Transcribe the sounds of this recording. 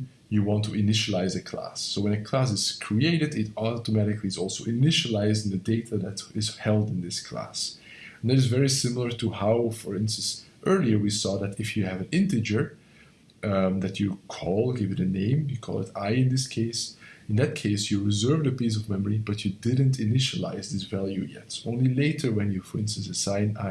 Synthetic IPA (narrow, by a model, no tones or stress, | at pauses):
jɨwɑ̃ntʰuɪnɪʃəlaɪzɨkʰl̥æ̰sːoʊwə̃nɨkʰl̥æs̬ɨz̥kʰɹ̥ieɪɾɨdɪtɔtɔmæɾɨkliɨzɔlˠsoʊʔɪnɪʃəlaɪzɪ̃ŋðɨdeɪɾəðɨɾɪz̥hɛlˠdɨ̃nðɪskʰl̥æ̰s | nðæɾɨzvɛɹisɪ̃ml̩ˠə˞tʰuhaʊfə˞ɪ̃nstə̃n̩s | ʔɜ˞lˠiə˞wisɔðɨtɪfjɨːvɨ̃nɪ̃ntɨd͡ʒə˞ | ðɨt͡ʃɨkʰɔlˠɡɪvjɨɾɨnẽɪ̃mjɨkʰɔ̰lˠɪ̰taɪɨ̃nðɪskʰeɪsɨ̃nðɨt̚kʰeɪsjɨɹɨzɜ˞vdɨpis̬ʌvmɛmə˞ibʌt͡ʃɨdɪd̃n̩tʰɨnɪʃəla̰ɪzðɪsvælˠjujɛ̰tõʊ̃nlileɪɾʰə˞wɨ̃njɨfə˞ɪ̃nstə̃n̩sɨsãɪ̃na̰